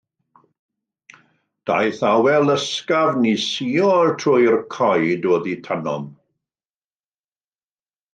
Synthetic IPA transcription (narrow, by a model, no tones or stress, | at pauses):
d̥a̰jθawɛlˠəskavnisiːɔrtʰrʊjrkʰɔjdoːðitʰanɔ̰m